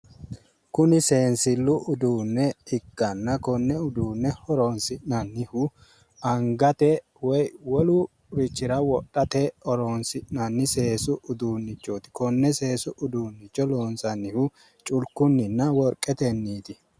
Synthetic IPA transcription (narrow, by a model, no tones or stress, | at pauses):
kʊnɪse̞ːnsɪlːʊʔʊd̪uːnːɛɪkːɐnːɐkɔnːɛʊd̪uːnːɛhɔɾoːnsɪnɐnːɪhʊ | ɐŋɡɐt̪ɛ | wɔjwɔlu | ɾɪt͡ʃːɪɾɐwɔɗɐt̪ɛɔɾoːnsɪʔnɐnːɪse̞ːsʊʔʊd̪uːnːɪt͡ʃːoːt̪ɪ̥kɔnːɛse̞ːsʊʔʊd̪uːnːɪt͡ʃːɔloːnsɐnːɪhʊ | t͡ʃʼʊlkʊnːɪnːɐwɔɾkʼːɛt̪ɛnːiːt̪ɪ